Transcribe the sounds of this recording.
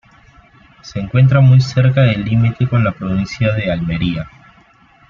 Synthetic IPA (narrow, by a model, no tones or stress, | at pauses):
se̞ːŋkwe̞nt̪ɾamujse̞ɾkaðelːimit̪e̞ko̞nlapɾoβinsjaðealme̞ɾia